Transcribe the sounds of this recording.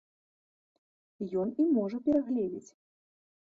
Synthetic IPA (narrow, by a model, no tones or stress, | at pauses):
jɔnimɔʐɐpʲɛɾaɣlʲɛd͡zʲit͡sʲ